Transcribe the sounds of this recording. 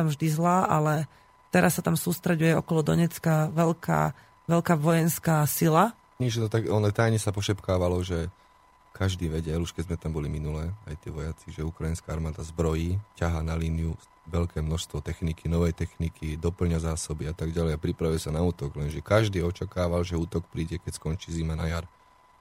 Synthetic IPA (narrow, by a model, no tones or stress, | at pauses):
t̪amvʒd̪izlaːʔalɛ | t̪ɛɾʔasːat̪amsuːst̪ɾɛɟujɛɔ̰kɔlɔd̪ɔ̰ɲɛt͡skaʋɛʎka̰ː | ʋɛʎkaːʋɔjɛnskaːsila | ɲit͡ʃnɔt̪aɡɔnɔt̪ajɲɛsapɔʃɛpkaːʋalɔʒɛ | kaʒd̪iːʋɛɟɛluʃkɛd̪zmɛt̪ambɔliminulɛːa̰jt̪ḭɛːʋɔjat͡siʒɛukɾajinskaːaɾmaːd̪azbɾɔjiːcaɦaːnaliːniju | ʋɛʎkɛːmnɔʃst̪ʋɔt̪ɛxnikinɔʋɛjt̪ɛxnikʰid̪ɔpl̩ɲazaːsɔbiat̪aɡɟalɛjapɾipɾaʋujɛsanauːt̪ɔɡlɛnʒɛkaʒd̪iːɔt͡ʃakaːʋalʒɛuːt̪ɔk̚pɾiːɟɛkɛcskɔnt͡ʃiːzimanajaɾ